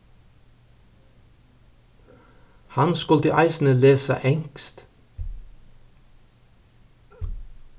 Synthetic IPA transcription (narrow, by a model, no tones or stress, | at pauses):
hɑnskʉlt̪əʔɑɪsn̩əleːsɑ̰ʔɛŋkst̪